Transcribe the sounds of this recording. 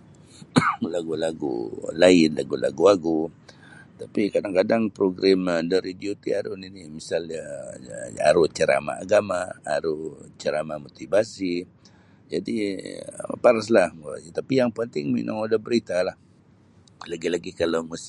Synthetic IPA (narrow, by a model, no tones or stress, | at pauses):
laɡulaɡṵlaɪnla̰ɡula̰ɡuaɡu | t̪apikadaŋkadaŋpɾoɡɾamədaɾidiot̪iaɾʊninimisalɲa | a̰ɾʊht͡ʃəɾa̰ma̰aɡamaːɾʊht͡ʃəɾamamot̪ibasi | d͡ʒadi | paɾaslahma̰sit̪apijaŋpənt̪ɪŋmḭnʊ̰ŋudahbəɾit̪alah | laɡilaɡikalawmus